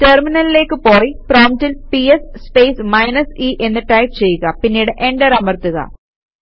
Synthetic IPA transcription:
terminɐlile̞ːkːɨpo̞ːriproːmtilpiesspe̞ːsmɐjnɐsiʔe̞nːɨʈɐjpt͡ɕe̞jːuɣɐpinːiːɽɨʔe̞ɳɖɐɾɐmɐrt̪uɣɐ̰

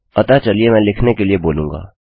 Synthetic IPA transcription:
pɐt̪at͡ʃɐliemɛ̃ːlɪkʰnekelieboːlũːŋɡa̰ː

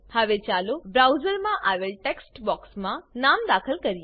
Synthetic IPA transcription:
haʋet͡ʃalubɾawzəɾmãʔaʋeɭʈeksʈbɔːksmãnamd̪akʰəlkəɾij

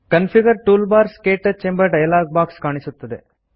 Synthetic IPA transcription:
kɐnpʰiɡɐɾʈuːlbaːɾskeːʈːɐt͡ʃembɐʈɐjɐlaːɡ̚baːkskaːɳisut̪ːɐd̪e

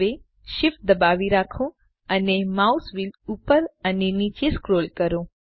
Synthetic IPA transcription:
e | ʃɪf̚d̪əbaʋiɾakʰõ | ənemausʋilupəɾənenit͡ʃeskɾolkəɾõ

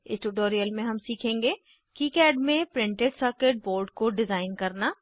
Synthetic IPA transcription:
ɪ̰sʈuːʈoːɾijəlmẽɦɐmsiːkʰẽːŋɡeː | kiːkɛːɖmẽpɾɪ̃ɳʈeɖsəɾkeʈ̚boːlɖkoɖɪzaːɪnkɐɾnaː

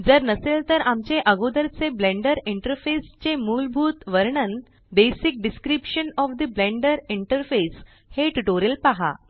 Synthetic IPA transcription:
d͡zəɾnəselt̪əɾamt͡ɕeʔəɡod̪əɾt͡seblẽɳɖəɾiɳʈəɾfest͡ɕemuːlbʱuːt̪ʋəɾɳən | d̪esik̚ɖiskɾipʂənɔfd̪əblẽɳɖəɾiɳʈəɾfes | heʈuʈoɾijəlpaɦa̰

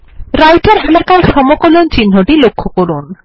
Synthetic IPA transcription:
ɾajʈeɾɛlakaɾʃɔmokolont͡ɕinːoʈilokʰːokoɾun

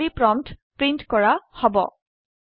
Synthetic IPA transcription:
ipɹɔmtpɹintkɔɹahɔbɔ̰

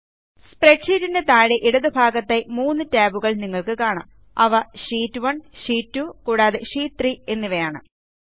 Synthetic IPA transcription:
spreʈʂiːɾindet̪aːɻeʔiɽɐðɨbʱaːɡɐt̪ːemuːnːɨtaːbuɣɐɭniŋːɐɭkɨkaːɳɐ̰m | ɐ̰ʋɐɕiːtːʋɐɳɕiːtːukuːɽaːðɨʂiːt̪riːe̞nːiʋɐjaːɳɨ̰

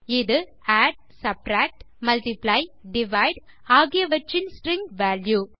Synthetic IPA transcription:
ɪðɯ | aːɖ̚ | sɐp̚ʈɾaːk̚ʈ | mɐlʈɪplaɪɖɪʋaɪɖ | aːɣɪjɐʋɐʈrɪnsʈɾɪŋɡʋaːlju

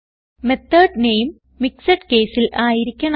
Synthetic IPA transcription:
met̪ːɐːɖnejmː | iksɐʈke̞ːsilʔaːjiɾikʲːɐɳ

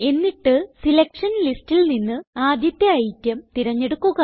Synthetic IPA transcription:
e̞nːiʈːɨsilɐkʂɐnlistilninːɨaːd̪jɐt̪jɐːjtʲːjɐmt̪iɾɐɲːe̞ɽukːuɣɐ

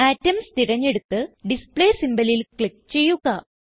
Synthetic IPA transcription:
aːtːɐmst̪iɾɐɲːe̞ɽut̪ːɨɖispɭeːsimbɐlilkɭikːt͡ɕe̞jːuɣɐ

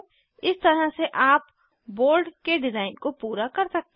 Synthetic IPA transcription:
ɪst̪ɐɾaseʔaːp | boːɾɖkeɖɪzaːɪnkopuːɾakɐɾsɐk̚t̪e

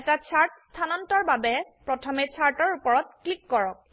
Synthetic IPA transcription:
ɛtat͡ɕʰaɹtst̪ʰanɔntaɹbabɛpɹɔtʰɔmet͡ɕʰaɹtɔɹupɔɹɔt̚klikːɔɹɔk̚

